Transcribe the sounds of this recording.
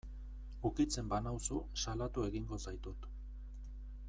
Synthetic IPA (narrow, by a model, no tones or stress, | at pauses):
ukit͡se̞mbanawsusalat̪ue̞ɣiŋɡo̞sajt̪ut̪